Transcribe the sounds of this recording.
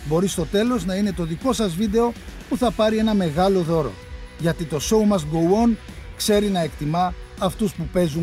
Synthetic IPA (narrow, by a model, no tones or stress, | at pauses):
bo̞ɾist̪o̞t̪e̞lo̞znɐine̞t̪o̞ðiko̞sɐzvid̪e̞o̞puθɐpɐɾie̞nɐme̞ɣɐlo̞ðo̞ɾo̞̰ʝɐt̪it̪o̞so̞umɐsɡowonkse̞ɾinɐe̞kt̪imɐːft̪uspupe̞zu